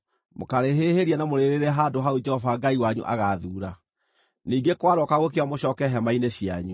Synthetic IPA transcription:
mokaɾeɦeːheɾianamoɾeɾeɾɛɦadoɦaud͡ʒɛhɔvaɡaiwaɲṵʔa̰ɣaðuːɾa | niːŋɡekwaɾɔkaɣokeamoɕɔːkɛɦɛmaineɕia̰ɲu

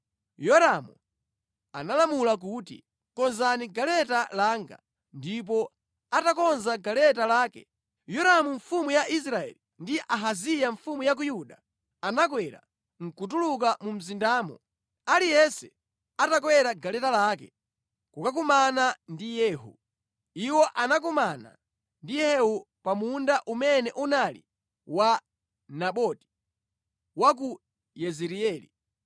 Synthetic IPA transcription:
jɔɾamu | a̰nalamulak̬uːtḭ | kɔnzaniɡalɛtalaːŋɡa̰ | ndip̬ɔ | atakɔnzaɡalɛtalaːkɛ | jɔɾamuɱfumujaʔis̬ɾaɛ̰lindiʔaɦazijaɱfumujak̬ujuɗa | anak̬wɛɾa̰ | ŋ̩kut̬uluk̬amum̩zindaːmɔ̰ | alijɛsɛ | atak̬wɛɾaɡalɛtalaːkɛ̰ | kukak̬umanandijɛːɦṵ | iwɔʔanak̬umana̰ | ndijɛu | pamundaʔumɛnɛʔunalḭ | wa | naɓɔti̥ | wak̬u | jɛzɛɾiɛːli

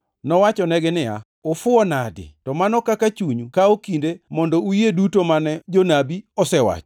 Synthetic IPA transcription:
nɔwat͡ʃɔnɛɡɪnɪa̰ | ofʊɔnadɪ̰tɔmanɔkakat͡ʃuɲukaokindemɔndɔujedutomanɛd͡ʒonabiɔsɛwa̰t͡ʃɔ̥

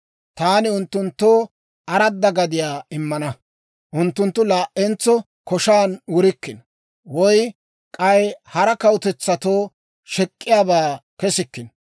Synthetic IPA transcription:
t̪aːnɪʊnt̪ːʊnt̪ːoː | ɐɾɐd̪ːɐɡɐd̪ɪjaːɪmːɐnɐ | ʔʊnt̪ːʊnt̪ːʊlaːʔʔɛnt͡sːɔ | kɔʃaːnwʊɾɪkːɪn | wɔj | kʼɐjhɐɾɐkɐwʊt̪ɛt͡sːɐt̪oː | ʃɛkʼːɪjaːbaːkɛsɪkːɪn

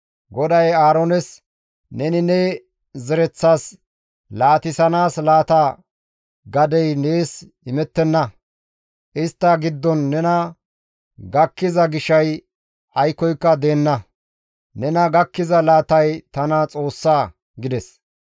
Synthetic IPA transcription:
ɡɔd̪ɐjaːɾonɛs | nɛnɪnɛ | zɛɾɛt͡sːaːs | laːt̪ɪsɐnaːslaːt̪a | ɡɐd̪ɛjneːs | ɪmɛt̪ːɛnːɐ | ʔɪst̪ːɐɡɪd̪ːɔnːɛnɐ | ɡɐkːɪzɐɡɪʃɐj | ɐjkːɔjkːɐd̪e̞ːnːɐ | nɛnɐɡɐkːɪzɐlaːt̪ɐjt̪ɐnɐt͡sʼo̞ːsːaː | ɡɪd̪ɛs

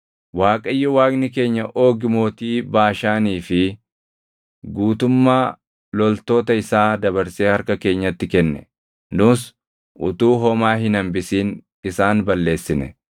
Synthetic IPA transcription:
waːkʼɐjːɔwaːɡnɪke̞ːɲːɐʔo̞ːɡɪmo̞ːt̪iːbaːʃaːniːfɪ | ɡuːt̪ʊmːaː | lɔlt̪o̞ːt̪ɐɪsaːd̪ɐβɐɾseːhɐɾkɐke̞ːɲːɐt̪ːɪkɛnːɛ̰ | nʊːs | ʔʊ̰t̪uːɦɔmaːɦɪnɐmbɪsiːn | ɪsaːnbɐlːe̞ːsːɪnɛ̰

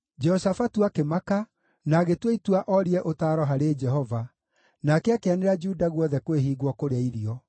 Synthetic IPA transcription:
d͡ʒɛhosafatuakemaka | naːɣetweitwaʔɔɾiɛʔotaːɾɔɦaɾeːd͡ʒɛɦɔva | nakɛakeaneɾad͡ʒuːdaɣwɔðɛkweɦiːɣwɔkoɾeaiɾiɔ

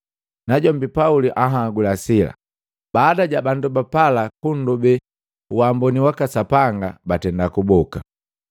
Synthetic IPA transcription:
naɟɔmbipauliʔaɦaɡulasila̰ | baːdaɟabandubapalakun̩dubɛ | wambɔniwakasapaŋɡabatɛndakubɔka

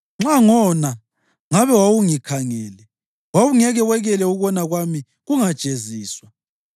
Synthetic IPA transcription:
ŋ͡ǁaŋɔna | ŋaβɛwawuŋikʰaŋɛːlɛ | wawuŋɛɣɛwɛɣɛlɛuɣɔnaɣwami | ɣuŋad̥t͡ʃʼeziːswa

